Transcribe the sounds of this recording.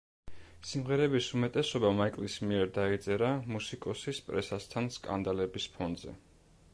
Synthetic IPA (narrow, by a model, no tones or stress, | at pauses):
simʁɛɾɛbisumɛt̪ʼɛsɔbamaikʼlismiɛɾd̪ait̪sʼɛɾamusikʼɔsispʼɾɛsast̪ʰanskʼa̰nd̪alɛbispʰɔnzɛ̰